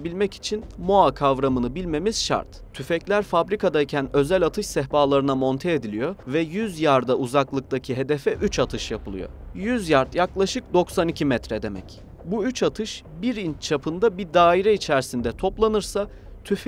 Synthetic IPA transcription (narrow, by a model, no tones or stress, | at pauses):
bilʲmɛci̥t͡ʃʰinmoakʰavɾamɯnɯbilʲme̞miz̥ʃa̰ɾt̪t̪ʰyfɛclʲæɾfabɾikʰad̪aicʰænø̞zælʲat̪ʰɯʃsɛɦbaːlˠaɾɯnamo̞nt̪ʰeed̪ilʲijo̞vɛjyzjaɾd̪auzaklˠɯk̚d̪acʰiɦe̞d̪ɛfɛʔyt͡ʃat̪ʰɯʃjapɯlˠɯ̰jo̰jyzjaɾt̪jaklˠaʃɯk̚d̪o̞ksanicʰimɛt̪ɾɛd̪e̞mɛ̰c | buyt͡ʃat̪ʰɯʃ | biɾint͡ʃʰapʰɯnd̪abid̪aːiɾɛit͡ʃʰæɾsind̪ɛt̪ʰo̞plˠanɯɾsa | t̪ʰyf